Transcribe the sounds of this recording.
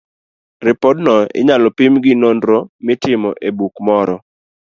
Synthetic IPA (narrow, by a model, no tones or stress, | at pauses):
rɪpɔdnɔɪ̰ɲalɔpimɡɪnondɾomɪtɪmɔʔebukmɔɾɔ